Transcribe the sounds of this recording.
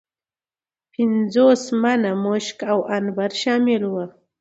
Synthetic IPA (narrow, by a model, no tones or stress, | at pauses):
pɪnd͡zosmanamʊʃkawanbaɾʃɑmɪlwə